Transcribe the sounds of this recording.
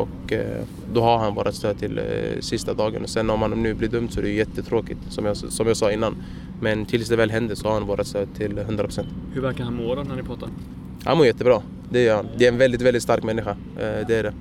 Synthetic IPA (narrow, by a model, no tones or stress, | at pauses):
ɔk | d̪ɔɦaɾɦanvoːɾʔat̪st̪øːd̪̚t̪ʰɪlsɪst̪ad̪ɑːɡə̰nɔsɛnːɔmhannʉ̟ːblɪd̪ɵmt̪sɔɛɾɛjʏjɛt̪ːət̪ʰɾoːkɪt̪sɔmjɑsɔmjɑːɡsɑːɪnːan | mɛnt̪ʰɪlsd̪ɛvɛːlɦɛnd̪əsɔhaɾhanvoːɾʔat̪st̪øːd̪̚t̪ʰɪlɦɵnd̪ɾapʰɾʊsɛnt̪hɵɾvæɾkaɾhanmoːɾɔnæɳɪpʰɾɑːt̪ːaɾ | ha̰nmoːɾjɛt̪ːəbɾɑː | d̪ɛjœːɾhand̪ɛæɾɛnvɛld̪ɪt̪vɛlɪt̪st̪aɾkmɛnːɪɧa | d̪ɛæɖɛ